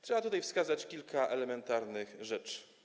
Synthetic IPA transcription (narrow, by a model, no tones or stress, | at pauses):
t̪ʂɛbat̪ut̪ajfskazat͡ɕkʲilkʰaʔɛlɛmɛnt̪aɾnɘxʐɛt͡ʂ